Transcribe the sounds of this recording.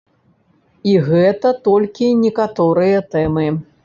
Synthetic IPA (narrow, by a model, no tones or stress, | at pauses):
iɣɛt̪ɐt̪ɔlʲkʲinʲɛkat̪ɔɾɨjɐt̪ɛmɨ